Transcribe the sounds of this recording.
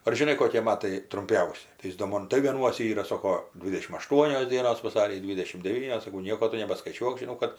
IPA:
ɐr ʒʲɪˈnɐɪ koːˈkʲiɛ ˈmɑːtɐɪ trʊmʲˈpʲɛʊsʲɪ tɐɪ ˈjɪs doː ˈmoːn tɐɪ ˈʋʲiɛnuɔsʲɛ ˈiːrɐ ˈsoːkoː ˈdʲʋʲɪdʲɛʃʲɪm ɐˈʃtuɔnʲoːs ˈdʲiɛnoːs ʋɐˈsɑːrʲiː ˈdʲʋʲɪdʲɛʃʲɪm dʲɛˈʋʲiːnʲoːs sɐˈkɐʊ ˈnʲiɛkoː ˈtʊ nʲɛbɐskɐɪˈt͡ʃʲuɔk ʒʲɪˈnɐʊ kɐt

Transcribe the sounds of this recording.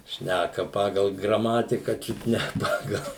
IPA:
ˈʃʲnʲækɐ ˈpɑːɡɐlˠ ɡrɐˈmɑːtʲɪkɐ ˈt͡ʃʲʊt nʲɛ ˈpɑːɡɐlˠ

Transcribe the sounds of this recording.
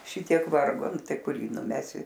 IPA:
ˈʃʲɪtʲiɛk ˈʋɐrɡoː ˈnʊ ˈtɐɪ ˈkʊr ˈjiː nʊˈmʲæːsʲɪ

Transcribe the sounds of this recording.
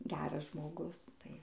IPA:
ˈɡʲæːrɐs ʒmoːˈɡʊs tɐɪ

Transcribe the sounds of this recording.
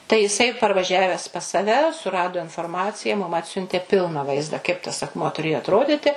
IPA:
tɐɪ jɪˈsɐɪ pɐrʋɐˈʒʲæːʋʲæːs pɐs sɐˈʋʲɛ sʊˈrɑːdoː ɪnfoːrˈmɑːt͡sʲɪjɛ mʊm ˈɑːtʲsʲʊnʲtʲeː ˈpʲɪlˠnɐ ˈʋɐɪzdɐ kɐɪp tɐs ɐkˈmuɔ tʊˈrʲeːjoː ɐtˈroːdʲɪtʲɪ

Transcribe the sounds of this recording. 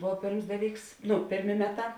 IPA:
ˈboːw ˈpʲeːrms ˈdɑːˌlʲiːks ˈnʊ ˈpʲeːrʲˌmʲeː ˈmʲæːˌtɑː

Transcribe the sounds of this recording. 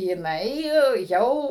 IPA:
jɪˈnɐɪ ˈjɛʊ

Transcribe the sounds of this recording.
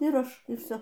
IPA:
ɪr ˈɐʃ ɪr ˈʋʲsʲoː

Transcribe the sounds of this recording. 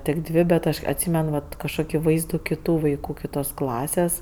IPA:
tʲɪk ˈdʲʋʲeː bʲɛt ˈɐʃ ɐtʲˈsʲiːmʲɛn ʋɐt kɐʃˈkoːkʲɪ ˈʋɐɪzduː kʲɪˈtuː ʋɐɪˈkuː kʲɪˈtoːs ˈklˠɑːsʲeːs

